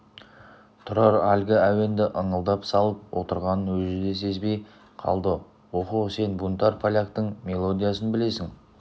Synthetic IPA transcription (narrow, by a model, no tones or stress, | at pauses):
t̪ʰʊɾɑɾælɡʲɪæwe̞nd̪ɪʔəɴəlˠd̪ɑpsɑlˠəp̚wo̞t̪əɾʁɑnənwɵzɪd̪e̞se̞zbe̞j | qʰɑ̰lˠd̪ə | wo̞quse̞nbunt̪ɑɾpʰalʲak̚t̪əɴmʲe̞lˠo̞d̪ijas̬ənbɪle̞sɪŋ